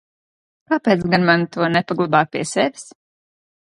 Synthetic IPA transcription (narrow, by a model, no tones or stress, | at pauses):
kaːpɛːt̪sɡanmant̪uɔnɛpaɡlˠabaːpʲiɛsɛvʲis